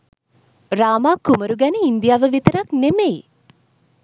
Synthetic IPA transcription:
raːmaːkuməɾuɡænəind̪ijaːʋəʋit̪əɾaknemej

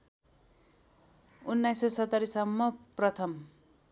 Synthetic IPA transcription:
unːajsesʌt̪ːʌɾisʌmːʌprʌt̪ʰʌm

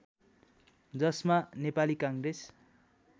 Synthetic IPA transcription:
d͡zʌsmanepalikaŋres

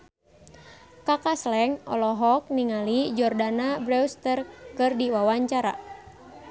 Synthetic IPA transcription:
kakaslɛŋɔ̰lɔɦɔk̚niŋalid͡ʒɔrdanabɾɛwst̪ərkɨrdiwawaɲt͡ʃaɾa̰

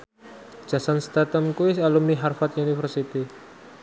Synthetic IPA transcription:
d͡ʒ̥asanst̪at̪əmkuisalumniɦarfat̪̚unifərsit̪i

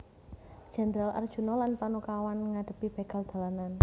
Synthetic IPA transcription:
d̥ʒ̥a̤nd̪ɾalʔa̰rd̥ʒ̥ṳnɔlanpanokawanŋaɖ̥ə̤pib̥e̤ɡ̥a̤ld̪̥a̤lanan

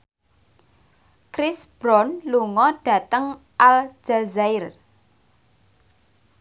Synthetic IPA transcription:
kɾɪsb̥ɾɔnluŋɔɖ̥ä̤t̪əŋ | ʔald͡ʒ̥azaɪr

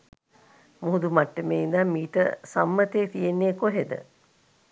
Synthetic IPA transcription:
muɦud̪umaʈːəmeːind̪aːmiːʈə̰samːət̪eːt̪ijenːekoɦed̪ə̰

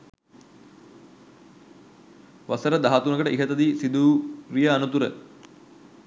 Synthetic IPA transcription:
ʋasəɾəd̪aɦat̪unəkəʈəʔiɦət̪əd̪isid̪uːɾijəanut̪uɾə

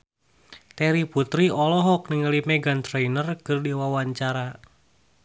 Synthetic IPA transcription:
t̪ɛɾiput̪ɾiɔlɔɦɔk̚niŋəlimɛɡant̪ɾejnərkɨrdiwawaɲt͡ʃaɾa

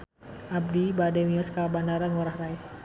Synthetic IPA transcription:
ʔab̚dibadɛmiɔskabandaɾanŋɔɾahraɛ

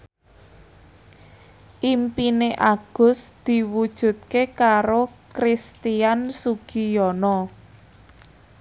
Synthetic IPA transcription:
ʔimpineʔaɡ̥ʊ̤sd̪̥i̤wud̥ʒ̥ṳt̪̚kekaɾokɾist̪iansuɡ̥ijɔnɔ

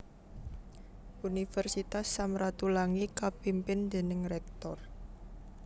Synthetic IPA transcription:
unifɛrsit̪asːamɾat̪ulaŋikapimpɪnd̪̥e̤nɪŋrɛk̚t̪ɔr

